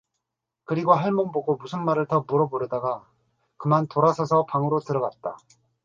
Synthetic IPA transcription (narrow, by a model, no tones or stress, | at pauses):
kɯɾiɡoɦaɭmoŋboɡomusʰɯnmaɾɯɭtʌmuɾʌboɾjʌdaɡa | kɯmantoɾasʰʌsʰʌpaŋɯɾotɯɾʌɡat̚t͈a